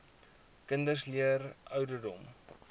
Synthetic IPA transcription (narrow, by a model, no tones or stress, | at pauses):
kəndəsliərʔœwdədɔm